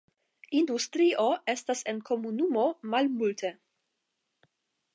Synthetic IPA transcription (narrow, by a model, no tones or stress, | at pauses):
industɾiʔo̞ʔe̞stase̞nkʰo̞munumo̞malmultʰe̞